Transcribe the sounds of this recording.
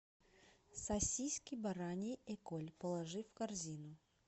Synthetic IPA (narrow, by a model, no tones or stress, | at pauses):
sɐsʲijskʲɪjbɐɾanʲɪjɛkolʲpəlˠɐʐɨfkɐrzʲinʊ